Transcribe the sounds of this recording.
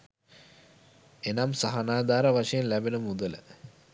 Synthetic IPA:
enamsaɦanaːd̪aːɾɐʋaʂɐjenlæbenəmud̪ələ̰

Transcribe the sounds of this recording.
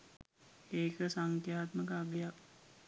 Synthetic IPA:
eːkəsaŋkjaːt̪məkəaɡəjak

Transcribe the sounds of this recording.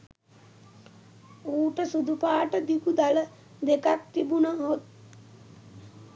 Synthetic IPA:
uːʈəsud̪upaːʈəd̪ikud̪alə | d̪ekak̚t̪ibunəɦot̪̚

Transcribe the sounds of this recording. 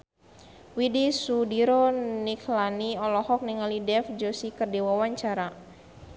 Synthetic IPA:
widisudiɾoniklaniɔlɔhɔk̚niŋalidɛfd͡ʒosikərdiwawaɲt͡ʃaɾa

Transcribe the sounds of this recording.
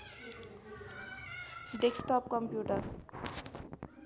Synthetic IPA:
ɖeksʈɔːp̚kə̃mpjuːʈəɾ

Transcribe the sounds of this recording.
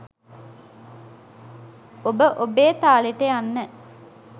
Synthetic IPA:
obəʔobeːt̪aːleʈəjanːə

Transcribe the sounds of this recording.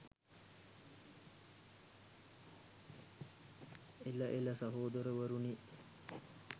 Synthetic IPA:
elɐʔelɐsɐɦoːd̪əɾəʋəɾuni

